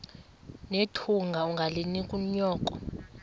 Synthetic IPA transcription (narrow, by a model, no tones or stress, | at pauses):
netʰuŋɡʱauŋɡʱalinikʼuɲɔːkʼɔ